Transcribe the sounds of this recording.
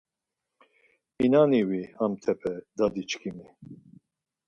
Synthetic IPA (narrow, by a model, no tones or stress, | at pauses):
inaniwihamt̪ʰɛpʰɛd̪ad̪it͡ʃkʰimi